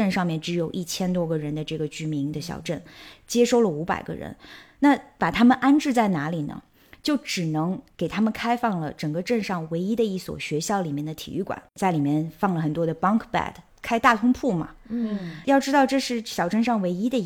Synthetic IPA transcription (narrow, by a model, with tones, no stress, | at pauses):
ə˥˧nʂɑ˥˧ŋmjɛ˥˩nʈ͡ʂɻ̩˧˥jo˨˩ʊʔi˥˩t͡ɕʰjɛ˥nt̪wɔ˥ɡə˨ɻə˧˥nd̪ə˧ʈ͡ʂɤ˥˩ɡə˩t͡ɕy˥mi˧˥ŋd̪ə˧ɕjɑ̰˨˩ʊʈ͡ʂə˥˩nt͡ɕjɛ˥ʂo˥˩ʊlə˨u˧˥pa̰˨˩ɪɡə̰˦ɻə̰˧˥nna˥˩pa˨˩t̪ʰa˥mə˨nʔa˥nʈ͡ʂɻ̩˥˧t͡sa˥˩ɪna˧˥li˨˩nə̰˦ | t͡ɕjo˥˩ʊʈ͡ʂɻ̩˨˩nɤ˧˥ŋke˨˩ɪt̪ʰa˥mə˨nkʰa˥ɪfɑ˥˩ŋlə˩ʈ͡ʂə˨˩ŋɡə˦˧ʈ͡ʂə˥˧nʂɑ˥˩ŋwe˧˥ɪi˥d̪ə˧i˥˩swɔ̰˨˩ɕɥɛ˧˥ɕjɑ˥˩ʊli˨˩mjɛ˥˩nd̪ə˩t̪ʰḭ˨˩y˥˩kwa̰˨˩˦nt͡sa˥˩ɪli˨˩mjɛ˥˧nfɑ˥˩ŋlə˩xə˨˩nt̪wɔ˥d̪ə˨pɑ˥ŋkʰpa̰˥˩d | kʰa˥ɪt̪a˥˩t̪ʰʊ˥ŋpʰu˥˩mɐ̰˩ | jɑ˥˩ʊʈ͡ʂɻ̩˥d̪ɑ˥˧ʊʈ͡ʂɤ˥˧ʂɻ̩˥˩ɕjɑ˨˩ʊʈ͡ʂə˥˧nʂɑ˥˩ŋwe˧˥ɪi˥d̪ə˧